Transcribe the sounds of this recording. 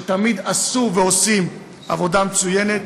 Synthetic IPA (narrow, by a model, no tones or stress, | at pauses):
t̪amid̪asuveo̞sim | ʔa̰vo̞d̪amet͡suje̞ne̞t̪